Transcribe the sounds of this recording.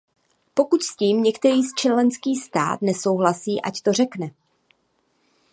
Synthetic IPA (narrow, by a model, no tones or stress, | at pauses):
po̞kucsciːmɲɛkt̪ɛɾiːst͡ʃɛlɛnskiːst̪a̰ːt̪nɛso̞wɦlasiːʔa̰ct̪o̞r̝ɛknɛ